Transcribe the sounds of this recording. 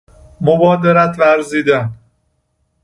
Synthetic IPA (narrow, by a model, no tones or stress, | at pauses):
mobɒːd̪eɾæt̪ʰvæɾziːd̪æn